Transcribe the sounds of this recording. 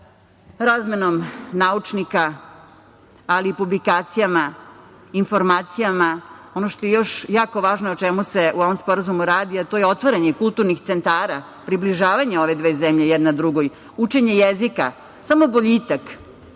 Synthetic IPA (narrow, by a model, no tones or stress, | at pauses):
ɾazmeno̞mnaut͡ʂnika | aliːpublikaːt̪sijama | info̞ɾmaːt̪sijamao̞no̞ʃt̪ojejo̞ʃjaːko̞ʋaːʒnoot͡ʃɛmuse̞ʔuo̞ʋomspo̞ɾazumuɾaːd̪iat̪ojeo̞t̪ʋaɾaɲekulˠt̪uɾnixt̪sent̪aːɾa | pɾibliʒaːʋaɲeo̞ʋe̞d̪ʋe̞ːzemʎejɛd̪nad̪ɾuɡoj | ut͡ʃe̞ɲejezika | samo̞boʎiːt̪ak